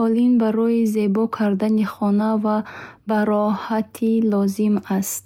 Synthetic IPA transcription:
ɔlinbaɾɔize̞bɔkʰaɾd̪aniχɔnavabaɾɔhat̪ʰilɔzimast̪

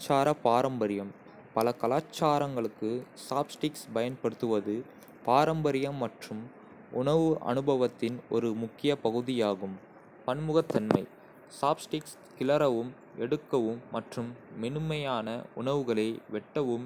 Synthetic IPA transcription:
t͡ʃːaːɾɐpaːɾɐmbɐɾɪjɐm | pɐlɐkɐlaːt͡ʃːaːɾɐŋɡɐɭɯkːɯsaːbsʈɪksbɐjɐnpɐɽɯt̪ːɯʋɐðɯ | paːɾɐmbɐɾɪjɐmːɐʈrɯm | ʔʊɳɐʋɯʔɐ̰nɯbɐʋɐt̪ːɪnɔ̰ɾɯmʊkːɪjɐpɐɣɯðɪjaːɣɯm | pɐnmɯɣɐt̪ːɐnmɐɪ | saːbsʈɪks | kɪlɐɾɐʋɯm | ɛɽɯkːɐʋɯmːɐʈrɯmːɛnɯmɐjaːnɐʊɳɐʋɯɣɐɭɐɪʋɛʈːɐʋɯm

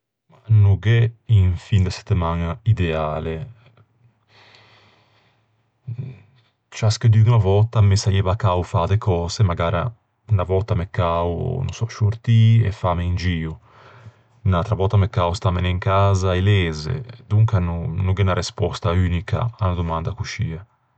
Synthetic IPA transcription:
manuɡɛinfind̪əsɛ̥t̪ːəmanaid̪ɛaːle | t͡ʃasked̪yɡunavɔt̪ːamesajɛːvakaufaːd̪ekʰɔːzemaɡaːɾa̰ | unavɔt̪ːamekːaṵnṵnsɔʃuɾt̪iɛ̰fːameind͡ʒiːu | nat̪ɾavɔt̪ːamekːaust̪ameneŋkaːzaɛlɛːzḛd̪uŋkanunuɡɛnaɾɛspɔst̪ayːnika̰anad̪umand̪akuʃiːa

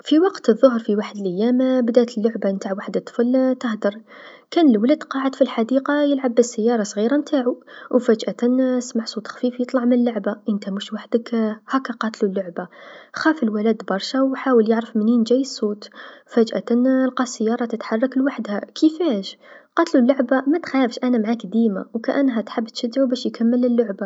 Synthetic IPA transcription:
fiwɑqt̪əðˤːʊhəɾfiwaħəd̪əlʔæjːæmbd̪æt̪əlːʊʕbant̪aʕwaħd̪ət̪ˤːfəlt̪əhd̪ɑɾˤkænlwlæd̪qɑʕəd̪filħad̪iqɑjəlʕabːəsːəjːɑɾˤɑsˤɣiɾamt̪ʰaʕuwfæd͡ʒʔæt̪ænsmaʕsˤut̪xfifjət̪ˤlɑʕmənəlːʊʕbaʔənt̪æmuʃwaħd̪əkhækːæqɑt̪lulːʊʕbaxæfəlwælæd̪bɑɾˤʃawħawəljəʕɾəfmənind͡ʒæjːəsˤːut̪fæd͡ʒʔæ̰t̪ænlqɑsːəjːɑɾˤɑt̪ət̪ħɑrˤːɑklwaħd̪hækʰəfæʃqɑt̪lulːʊʕbamæt̪xæəfʃʔænæmʕakd̪ima̰wkæʔænːɦæt̪ħəbːt̪ʃæd̪ʕubæʃjkæmːəlːəlːʊʕba

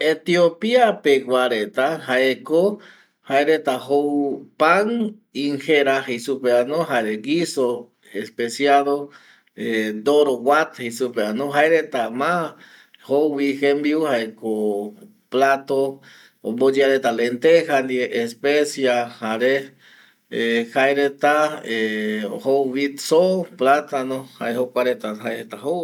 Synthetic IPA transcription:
et̪jopiapeɡwaɾet̪ahaeko | haeɾet̪aɦowpaŋ | iŋxeɾahesupeanoɦaɾeɡiso | espesjaðo | ed̪oɾowat̪hesupeanoɦaeɾet̪ama | howwixembiuhaeko | plat̪o | ombod͡ʒiaɾet̪alent̪ehand̪ieʔespesjahaɾe | ehajɾet̪aehoβit̪soplat̪anoha̰ehokʷaɾet̪aɦajɾet̪aho

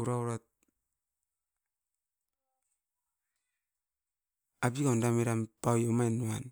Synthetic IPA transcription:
uɾauɾat̚ | abikondameɾampawjomaenuan

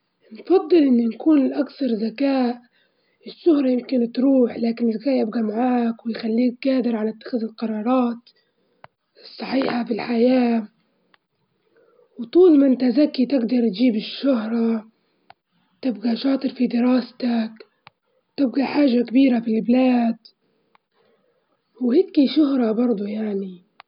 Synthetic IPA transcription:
nfɑd̪ˤːɨlʔɪnːʊnkuːnlʔakθɑɾˤzakaːʔ | ɪʃːʊhɾˤɑjɪmkɪnt̪ɾuːħlaːkɪnɪzːakaːʔjɪbɡamaʕaːkwɪjxalːiːk̚ɡaːd̪ɪɾʕalaʔt̪ːḁxɪðɪlqɑɾˤɑːɾˤɑːt̪ | sˤːɑħiːħafɪlħajaː | wt̪ˤuːlmant̪azakːit̪ɪɡd̪ɑɾˤt̪d͡ʒiːbɪʃːʊhɾˤɑ | t̪ɪbɡaʃɑːt̪ˤɨɾfid̪ɪɾɑːst̪ak | t̪ɪb̚ɡaħaːʒakabiːɾafilblaːd̪ | whɪd̪kiʃʊɦɾˤɑbɑɾˤd̪ˤujaʕni

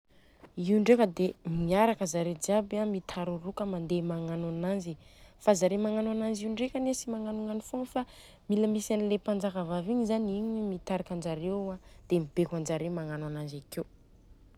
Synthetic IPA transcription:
iuɳɖ͡ʐekəd̪emiaɾakəzaɾed͡ʒiabamit̪ʰaɾurukəmand̪emaŋanananzifazaɾemaŋanwananziuɳɖ͡ʐekʲanesimaŋanuŋanifoŋfa | miləmisanilepand͡ʒakavaviɲizaniɲmit̪aɾakʲand͡ʒaɾead̪̥emib̥ekand͡ʒaɾemaŋanwananzakew

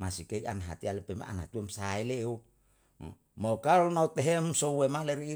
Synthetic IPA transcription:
masikeianɦa̰t̪ialepema̰a̰nhat̪uemsaeleṵ | mokalnaut̪eɦemsowemaleɾiː

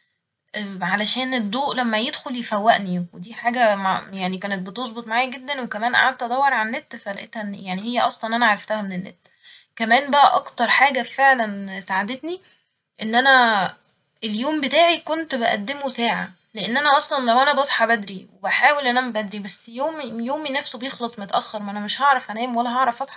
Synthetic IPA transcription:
ʔʕalæʃæːned̪ˤːoːʔlæmːæjed̪xoljefæwːæʔniwed̪iːħaːɡæmajaʕnikæːnet̪̚bet̪ozˤbet̪ˤmaʕaːjæɡed̪ːænwekæmæːnʔa̰ʕad̪̚t̪ʔæd̪ˤæwːɑɾˤʕanːet̪ːfælʔet̪hæjaʕnihejːæʔɑsˤlɑnʔænæʕaɾˤɑft̪æhæmenenːḛt̪ː | kæmæːnbæʔæʔɑkt̪ɑɾˤħaːɡæfeʕlænsaʕad̪et̪ni | ʔenːʔænæ | eljoːmbet̪aːʕikont̪beʔæ̰d̪ːemosæːʕa̰ | leʔenːʔænæʔɑsˤlɑnlæwʔænæbɑsˤħɑbæd̪ɾiwebæħaːwelʔenʔæmæbæd̪ɾibæsːjoːmijoːminæfsobejexlɑsˤmot̪æʔæxːɑɾˤmæʔænæmeʃhɑʕɾˤɑfʔænæːmwælːæɦɑʕɾˤɑfʔɑsˤħɑ̥

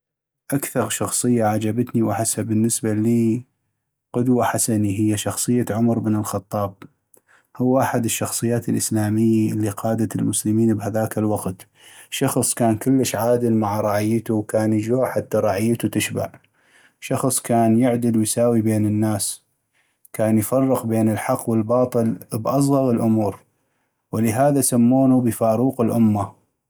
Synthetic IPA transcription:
ʔakθɑɾˤʃɑxsˤɨjːaʕad͡ʒabat̪niwɪħasabɪnːɪsbaliː | qʊd̪waħasaniɦɪjːaʃɑxsˤɨjːaʕʊmɾbnəlxɑt̪ˤːɑːb̚ | hʊwːʔaħad̪ɪʃːɑxsˤɨjːaːt̪ɪlʔɪslaːmɪjːaʔɪlːiqɑːd̪at̪ɪlmʊslɪmiːnbhaðaːkɪlwɑqt̪ | ʃɑxsˤkaːnkʊlːəʃʕaːd̪ɪlmaʕaɾˤɑʕɪjːət̪uwkaːnjəd͡ʒoːħat̪ːaɾˤɑʕɪjːt̪ut̪ɪʃba̰ʕ | ʃɑxsˤkaːnjɪʕd̪ɪlwjsaːwibeːnɪnːaːs | kaːnjfɑrˤːɪqbeːnɪlħɑqːwɪlbɑːt̪ˤɨlbʔɑs̬ˤɣɑɣəlʔʊmuːɾ | wɪlɪɦaːðasamːoːnubəfaːɾuːqɪlʔʊmːa

